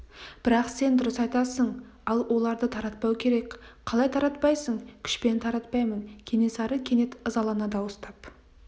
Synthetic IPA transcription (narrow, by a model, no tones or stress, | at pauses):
b̥ɪɾɑqse̞nd̪ʊɾəsɑjt̪ɑsəɴ | ɑlˠwʔo̞lˠɑɾd̪ət̪ʰɑɾɑt̪̚pɑwkʲʰe̞ɾe̞kʲqʰɑlˠɑjt̪ʰɑɾɑt̪pɑjsəɴkʲʰʏ̥ʃpe̞nt̪ʰɑɾɑt̪̚pɑjmənkʲʰe̞ne̞sɑɾəkʲʰe̞ne̞t̪əzɑlˠɑnɑd̪ɑwəst̪ɑp